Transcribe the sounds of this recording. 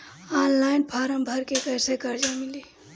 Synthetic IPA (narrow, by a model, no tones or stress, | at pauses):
anlainpʰaɾəmbʱəɾkekəjsekəɾd͡ʒamili